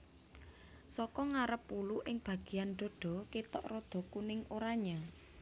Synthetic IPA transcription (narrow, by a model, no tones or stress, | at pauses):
sɔkɔŋaɾəpːuluʔɪŋb̥ä̤ɡ̥i̤janɖ̪ɔɖ̪̥ɔ̤kit̪ɔʔrɔd̪̥ɔ̤kunɪŋoɾaɲa